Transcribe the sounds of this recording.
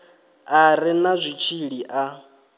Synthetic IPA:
aɾɪnazʷit͡ʃʰiɺiʔa

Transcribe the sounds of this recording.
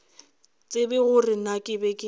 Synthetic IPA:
t͡sʼɪbɛɣʊrɪnakʼɪbɛkʼɪ

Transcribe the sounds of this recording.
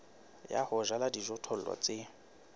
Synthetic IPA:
ja̰hʊʒaladiʒɔtʰɔl̩wa̰t͡sʼɪ

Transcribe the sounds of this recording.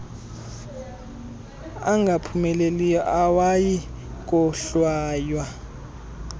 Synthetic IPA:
aŋɡʱapʰumɛlelijɔʔawajik̬ʼɔɬwaːjwa

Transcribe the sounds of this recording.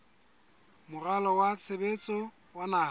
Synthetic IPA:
mʊralɔwat͡sʰebet͡sʼɔ | wanaː

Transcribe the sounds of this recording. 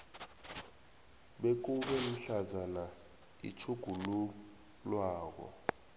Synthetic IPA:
ɓek̬uɓɛluɬazana | ḭt͡ʃʰuɡ̥ʱulu | lwaːk̬ɔ̰

